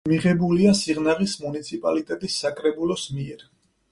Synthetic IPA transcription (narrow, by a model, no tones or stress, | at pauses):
miʁɛbuliasiʁnaʁismunit̪sʰipʼalit̪ʼɛt̪ʼisːakʼɾɛbulˠɔsmiɛɾ